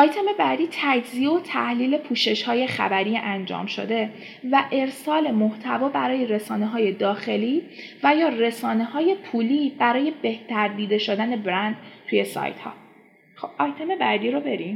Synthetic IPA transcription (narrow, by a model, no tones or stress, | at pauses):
ʔɒjt̪ʰe̞me̞bæd̪iːt̪ʰæd͡ʒzieot̪ʰæhliːle̞pʰuːʃe̞ʃhɒːje̞xæ̰bæɾiːʔænd͡ʒɒ̰ːmʃo̰d̪e̞ | væʔe̞ɾsɒːle̞moht̪ʰævɒːbæɾɒːje̞ɾe̞sɒːneɦɒːje̞d̪ɒːxe̞liːvæjɒːre̞sɒːne̞ɦɒːje̞pʰuːliːb̥æɾɒːje̞be̞ht̪ʰæɾd̪iːd̪e̞ʃod̪æne̞bɾænd̪̥tʰuje̞sɒ̰ːjt̪ʰhɒ̰ː | xobʔɒjt̪ʰeme̞bæːd̪iːɾobe̞ɾim